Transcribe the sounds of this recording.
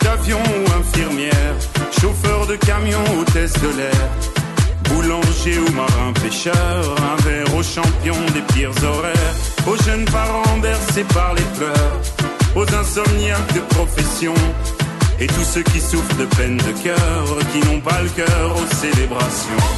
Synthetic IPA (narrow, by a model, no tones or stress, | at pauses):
t̪avjɔ̃uɛ̃fiʁmjɛʁ | ʃofœʁd̪əkamjɔ̃ot̪ɛsd̪əlɛʁ | bulɑ̃ʒeomaʁɛ̃peʃœʁɛ̃vɛʁoʃɑ̃pjɔ̃d̪epiʁzɔʁɛʁoʒœnpaʁɑ̃bɛʁsepaʁleflœʁozɛ̃sɔmnjak̚d̪əpχɔfɛsjɔ̃ | et̪usøkʲisufʁd̪əpɛnd̪əkʲœʁkʲinɔ̃paləkʲœʁoselebʁasjɔ̃